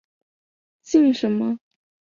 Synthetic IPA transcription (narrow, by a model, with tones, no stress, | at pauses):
t͡ɕi˥˩ŋʂə˧˥nmə˧